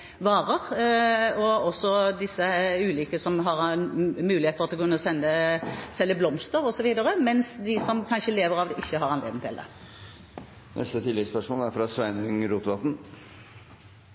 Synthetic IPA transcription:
ʋɑːʁəʁ | ɔɔsːɔd̪ɪsːəʉːliːkəsɔmɦɑʁmʉːlɪheːt̪fɔʁɑt̪lɔkʉnːəsɛnːəsɛlːəblɔmst̪əʁɔsɔʋiːd̪əʁəmɛnsd̪ɪsɔmkʰɑnʃəleːʋəʁɑʋd̪ɛʔɪçːəɦɑʁɑnlḛːd̪n̩t̪ʰɪld̪ɛ̰ | nʔɛ̰st̪ət̪ʰɪlːɛspœʂmoːlæɾfɾɑsʋæɪnəʏŋɾuːt̪ʋɑt̪n̩

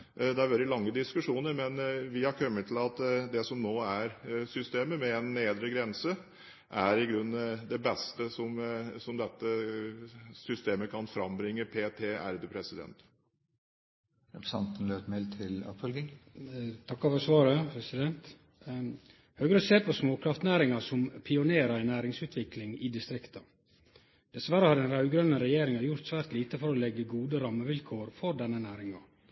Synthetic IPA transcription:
d̪ɛæɾʋɛld̪ɪlɑŋːəd̪ɪskʉʂuːnəɾmɛnʋɪhɑɾkʰœmːət̪ʰl̩ɑt̪d̪ɛsɔmnoːæɾsʏst̪eːməmɛɛnːeːd̪ɾəɡɾɛnsə | ʔæɾɪɡɾʉnːd̪ɛbɛst̪əsɔmsɔmd̪ɛt̪ːə | sʏst̪eːməkʰɑnfɾɑmbɾɪŋːəpʰeːt̪ʰeːæ̰ɾd̪əpʰɾɛsɪd̪ɛ̰nt̪ | ɾɛpɾə̥sɑ̰nt̪n̩løːt̪mɛlt̪ʰɪlɑ̰pfœlɡɪŋ | t̪ʰɑkːɑfɔɾsʋɑːɾəpʰɾɛsɪd̪ɛnt̪ | høːɡɾəseːɾpʰɔsmoːkʰɾɑft̪næːɾɪŋɑsɔmpʰɪʊneːɾɑɾæɪnæːɾɪŋsʉːt̪ʰʋɪklɪŋɪd̪ɪst̪ɾɪkt̪ɑ | d̪̥ɛsʋæɾəhɑɾɖ̪ɛnɾɑʉɡɾœnːəɾɛjeːɾɪŋɑjʊɾt̪sʋæːɾt̪liːt̪əfɔɾɔlɛɡːəɡuːd̪əɾɑmːəʋɪlkʰoːɾfɔɾɖɛnːənæːɾɪŋɑ

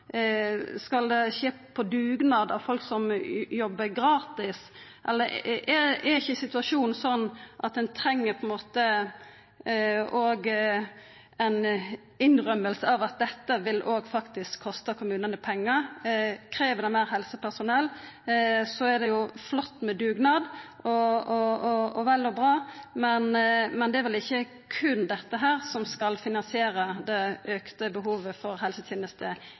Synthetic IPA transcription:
skɑld̪ɛʃeː | pʰɔd̪ʉːɡnɑːd̪ɑ̰ʋfɔlksɔmjɔbːəɾɡɾɑːt̪ɪsʔɛ̰lːəɾɛɛɾɪçːəsɪt̪ʉɑʂuːnn̩sɔnːʔɑt̪̚d̪ɛnt̪ʰɾɛŋːəɾpʰɔɛnmoːt̪ə | oːɡ | ɛn | ɪnɾœmːəlsəɑʋɑt̪̚d̪ɛt̪ːəʋɪlʔoːɡfɑkt̪ɪskʰːɔst̪əkʰʊmʉːnənəpʰɛŋːəɾkʰɾeːʋəɾɖ̪ɛmæɪɾɦɛlsəpʰæʁsʊnɛlː | sɔæɖ̪ɛjʊflɔt̪ːmɛd̪ʉːɡnɑd̪ʔɔɔɔɔʋɛlːɔbɾɑːmɛnmɛnd̪ɛæɾʋɛlɪçːə | kʰʉnd̪ɛt̪ːəɦæːɾsɔmskɑlfɪnɑnsɪeːɾəd̪ɛʔøːkt̪əbəɦuːʋəfɔɾɦɛlsət̪ʰjeːnəst̪ə

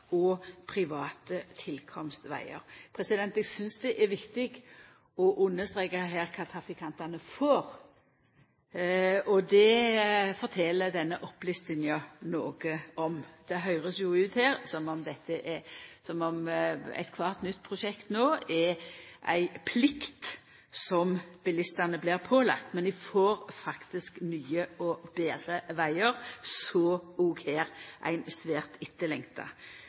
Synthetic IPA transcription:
ɔpʰɾɪʋɑːt̪ət̪ʰɪlkʰɔmst̪ʋæ̰ɪə̰ɾpʰɾɛsɪd̪ɛnt̪ɛɡsʏnsd̪ɛʔɛʋɪkt̪ɪɡ | ɔʔʉnːəst̪ɾeːkəɦæːɾkʰɑːt̪ʰɾɑfɪkʰɑnt̪ɑnəfoːɾ | ɔd̪ɛfɔɾt̪ʰɛləd̪ɛnːəʔɔplʏst̪ənjɑnoːɡəɔmd̪̥ɛɦœʏɾəsjʊʉːt̪hæːɾsɔmɔmd̪ɛt̪ːəʔɛsɔmɔmæ̰ɪt̪kʰʋɑʁt̪nʏt̪̚ːpʰʁʊʃɛkt̪noːɛʔæ̰ɪpʰlɪkt̪ | sɔmb̥ɪlɪst̪ɑnəblɪːʁpʰoːlɑ̰k̚t̪mɛnɪfoːɾfɑkt̪ɪsknyːəɔbeːd̪ɾəʋæɪəɾsɔːɡuːɡheːɾʔæ̰ɪnsʋeːʁt̪ɪt̪ːəlɛŋt̪ɑ̰

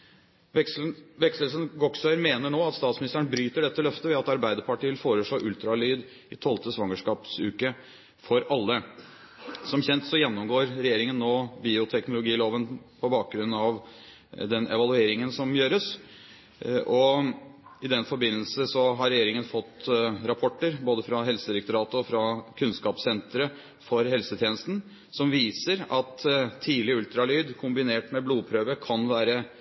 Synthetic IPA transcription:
ʋɛksləlsənɡɔksœɾmeːnəɳoːɑt̪st̪ɑːt̪smɪnɪst̪əəɳbɾyːt̪əɖɛt̪ːəlœft̪əʋɛɑt̪ɑɾbæɪd̪əɾpɑʈiːʋɪlfoːɾəʂɭoːʔʉlt̪ɾɑlyːd̪ | ɪt̪ʰɔlt̪əsʋɑŋəʂkɑːpsʉːkə | fɔɾɑlːə | sɔmçɛnt̪sɔjɛnːʊmɡoːɾɾɛjeːɾɪŋənːoːbiːʊt̪ʰɛknʊlʊɡiːloːʋənpʰɔbɑːk̚ɡɾʉnːɑʋ | d̪ɛnɛ̰ʋɑlʉeːɾɪŋənsɔmjøːɾəs | ʔɔ | ɪd̪ɛnfɔɾbɪnːəlsəsɔɦɑɾɛjeːɾɪŋənfɔt̪ːɾɑpʰɔʈːəɾboːd̪əfɾɑɦɛlsəd̪ɪɾɛk̚t̪ʊɾɑːt̪əɔfɾɑkʰʉnskɑːpsɛnt̪ɾə | fɔɾɦɛlsət̪ʰjeːnəst̪n̩ | sɔmʋiːsəɾɑt̪ʰːiːlɪʉlt̪ɾɑlyːd̪kʰʊmbɪneːʈmɛbluːpʰɾøːʋəkʰɑnʋæːɾə

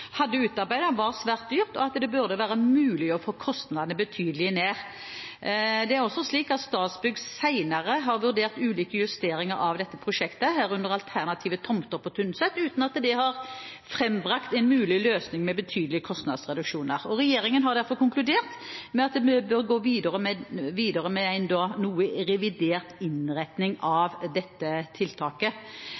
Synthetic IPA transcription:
hɑd̪ːəʉːt̪ɑʁbæɪd̪əʋɑʁsʋæːʁt̪̚d̪yːʁt̪ɔɑt̪d̪ɛbʉʁd̪əʋæːɾəmʉːlɪɔfoːkʰɔst̪nɑd̪ənəbət̪ʰyːd̪əlɪəneːʁ | d̪ɛæɾɔsːɔsliːkɑt̪st̪ɑːsbʏɡsæɪnəʁəɦɑɾʋʉɾd̪eːʁt̪ʉːliːkəjʉst̪eːɾɪŋəɾɑʋd̪ɛt̪ːəpʰɾʊʃɛkt̪əɦæːɾʉnd̪əʁɑlt̪ʰæʁnɑt̪ʰiːʋət̪ʰɔmt̪ɔʁpʰːɔt̪ʰʉnsɛt̪ːʉːt̪nɑt̪d̪ɛhɑʁ | fɾɛmbʁɑkt̪æɪnmʉːlɪløːsnɪŋmɛbət̪ʰyːd̪əlɪəkʰɔst̪nɑ̰d̪sʁɛd̪ʉkʃuːnəɾɔʁɛjeːɾɪŋənɦɑʁd̪æɾfɔʁkʊŋklʉd̪eːʁt̪mɛɑt̪̚d̪ɛɛbøʁɡoːʋiːd̪əʁəmɛʋiːd̪əʁəmɛæɪnd̪oːnuːəɾɛʋɪd̪eːʁt̪ɪnʁɛt̪nɪŋɑʋd̪ɛt̪ːət̪ʰɪlt̪ʰɑːkə

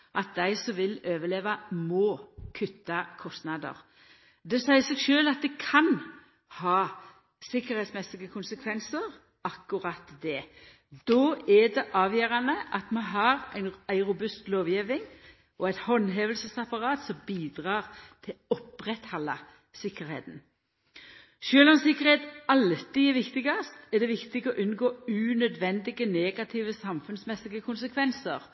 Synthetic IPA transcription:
ʔɑt̪̚d̪æɪsɔmʋɪløːʋəɭeːʋɑmɔːkʰʉt̪ːɑkʰɔst̪nɑd̪ə̰ʁ | d̪ɛsæɪəsɛɡʃøːlɑt̪̚d̪ɛkʰɑn | hɑː | sɪkəɾhɛɪt̪smɛsɪɡəkʰʊnsəkʰʋɛnsəɾ | ʔɑkːʊɾɑt̪d̪ɛ | d̪ɔːɛɖ̪ɛʔɑːʋjøːɾɑnəʔɑt̪mɑnɦɑːɾæ̰ɪnæɪɾʊbʉst̪loːʋjeːʋɪŋ | ʔɔɛɪt̪hɔnːɦeːʋəlsəsɑpɑɾɑːt̪sɔmbiːd̪ʁɑːʁt̪ʰɪlɔpʁɛt̪hɑlːɑ | sɪkːəɾhḛːt̪n̩ | ʃøːlɔmsɪkːəɾheːt̪ɑlt̪ɪɛɾʋɪkt̪ɪɡɑst̪ɛɖ̪ɛʋɪkt̪ɪɡɔʔʉnɡoːʉːnœd̪ʋɛnd̪ɪɡəneːɡɑt̪ʰiːʋəsɑmfʉnsmɛsːɪɡəkʰʊnsəkʰʋɛnsəʁ

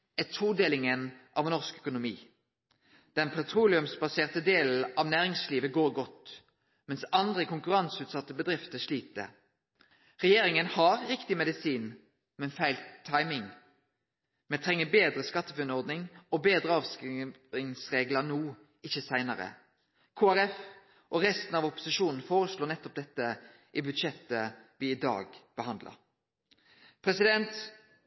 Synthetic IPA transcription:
ɛt̪ʰuːd̪eːlɪŋənʔɑʋnɔʁskœkʊnʊmḭː | d̪̥ɛnpʰɛt̪ʰʁuːlɪʉmsbɑseːʁt̪əd̪eːl̩ʔɑːʋnæːʁɪŋsliːʋəɡoːɾɡɔt̪ | mɛnsɑnd̪ʁəkʰʊŋkʉʁɑnsʉːt̪sɑt̪ːəbəd̪ɾɪft̪əʂɭiːt̪ə̰ | ʁɛjeːɾɪŋənhɑʁʁɪkt̪ɪmɛd̪ɪsiːn | mɛnfæɪlt̪ʰːɑɪmɪŋ | mɛnt̪ʰɾɛŋːəbeːd̪ɾəskɑt̪ːəfʉnɔʁd̪nɪŋɔbeːd̪ɾəɑːʋsk | ɪŋsʁeːɡlənuː | ɪçːəsæɪnɑɾə̰ | kʰoːæɾɛf | ʔɔʁɛst̪n̩ɑʋɔpʊ̥sɪʃuːnn̩foːɾəsloːnɛt̪ːɔp̚d̪ɛt̪ːə | ʔɪbʉd̪ʃɛt̪ːəʋɪɪd̪ɑ̰ːɡb̥əhɑnd̪lɑ̰ɾ | pʰɾɛsɪd̪ɛnt̪

